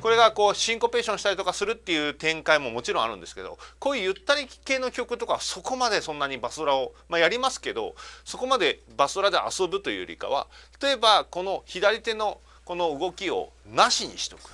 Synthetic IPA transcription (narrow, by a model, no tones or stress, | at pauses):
ko̞ɾe̞ɡako̞ːɕĩŋko̞pe̞ːɕõɕi̥t̪aɾʲit̪o̞kasɨɾɯ̟t̪ːe̞jɯ̟ːt̪ẽ̞ŋkaimo̞mo̞t͡ɕiɾõ̞a̰ɾɯ̟̃nd̪esɨ̥ke̞d̪o̞̰koːijɯ̟t̪ːaɾʲike̞ːno̞kʲo̞kɯ̟t̪o̞kaso̞ko̞mad̪e̞sõ̞nːaɲ̟ibasɨoɾao̞majaɾʲimasɨ̥ke̞d̪o̞̰so̞ko̞mad̪e̞basɨoɾad̪e̞ʔa̰so̞bɯ̟t̪o̞jɯ̟ːɾʲḭka̰β̞a̰t̪ʰḁt̪o̞e̞bako̞no̞çid̪aɾʲit̪e̞no̞ | ko̞no̞ɯ̟ɡo̞kʲio̞̰ | naɕiɲ̟ḭɕi̥t̪o̞̥kɯ̥